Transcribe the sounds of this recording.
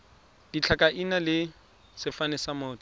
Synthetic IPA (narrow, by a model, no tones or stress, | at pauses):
d̥it͡ɬʰakʼaʔinalɪ | sɪfanɛsamʊːtʼɔ̥